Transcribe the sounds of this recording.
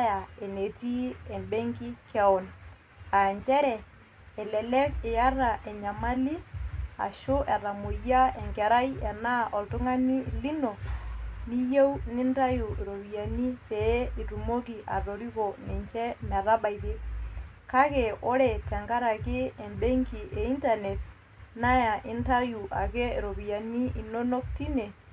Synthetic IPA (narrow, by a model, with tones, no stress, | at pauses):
ja˨ɛ˨ne˨ti˦ɛ˨mbe˦ŋki˦kɛ˦ʊ˨n | a˨ɲt͡ʃɛ˦ɾɛ˨ | ɛ˨lɛ˨lɛ˦kɪ˨ja˦ra˨ʔɛ˨ɲa˨ma˦li˦a̰˨ʃʊ˦ʔɛ˨ra˨mo˨ja˦ɛ˨ŋkɛ˨ɾa˦jɛ˨na˦ʔɔ˨ltʊ˦ŋa˦ni˦˨li˦no˨ni˦je˦wnɪ˦nta˦ju˨ɾo˨βi˨ja˨ni˦pɛ˨˦i˨tu˨mo˦ki˨ʔa̰˨ro˨ɾi˦kɔ˨nɛ˨ɲt͡ʃɛ˦mɛ˨ra˦ɓa˨jðɪ˦ | ka˦kɛ˨ɔ˦ɾɛ˨tɛ˨ŋɡa˦ɾa˨kɪ˦ɛ˨mbɛ˦ŋki˨ʔɛ˨i˦nta˨nɛ˨t | na˦ja˨ʔɪ˦nta˦ju˨ʔa̰˨kɛ˦˨ɾo˨βi˨ja˨ni˦ʔi˨no˦no˦kti˦ne˨